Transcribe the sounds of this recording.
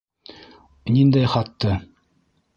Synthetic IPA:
nind̪æjχɑt̪ːɤ

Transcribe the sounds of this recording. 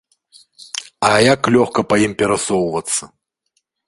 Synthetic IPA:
ɐjaklʲɔxkɐpɐjimpʲɛɾasɔwvɐt̪sːɐ

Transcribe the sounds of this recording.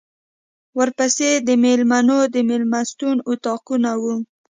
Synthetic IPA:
wəɾpəsed̪əmelmanod̪əmelmast̪unʊt̪ɑqunawu

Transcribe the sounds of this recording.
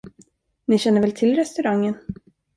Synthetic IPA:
nɪɕɛnːəɾvɛlt̪ʰɪlɾɛst̪ɵɾaŋːən

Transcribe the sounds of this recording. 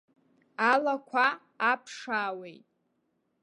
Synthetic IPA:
alakʷʰaː | pʰʂaːwejtʼ

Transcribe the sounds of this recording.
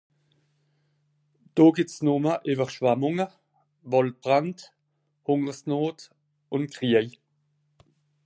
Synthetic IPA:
d̥oːɡɪtsnʊməʔevəʁʃv̥amʊŋə | vɔlt̚b̥ʁant | hʊŋəʁsnoːt | ʔʊntkʁiːəj

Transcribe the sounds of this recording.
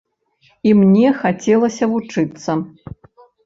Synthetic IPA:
imnʲɛxat͡sʲɛlˠɐsʲɐvut͡ʂɨt̪sːɐ

